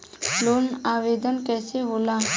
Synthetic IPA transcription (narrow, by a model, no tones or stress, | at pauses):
loːnaːʋeːd̪ənkɛːseɦoːlaː